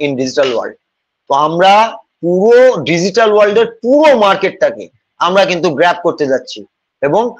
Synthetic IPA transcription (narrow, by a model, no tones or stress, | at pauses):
inɖid͡ʑiʈalwa̰lɖ | t̪oamɾapuɾoɖid͡ʑiʈalwalɖeɾpuɾomaɾkeʈ̚t̪ʰakḛ | amɾakint̪uɡɾɛp̚koɾt̪ed͡ʑatːɕʰi | eboŋ